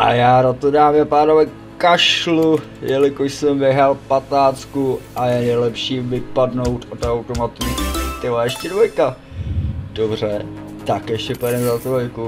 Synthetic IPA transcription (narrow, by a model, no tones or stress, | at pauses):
ʔa̰jaːɾat̪odaːmjɛpaːnovɛ | kaʃlu | jɛlɪkoʃsɛmvɪɦalpat̪naːt͡skuʔajɛnɛjlɛpʃiːvɪpadno̞wt̪ot̪awt̪omat̪ut̪ɪlaɛʃcɛdvojka | d̥obr̝ɛ | t̪akjɛʃcɛpɛdɛmzat̪oojku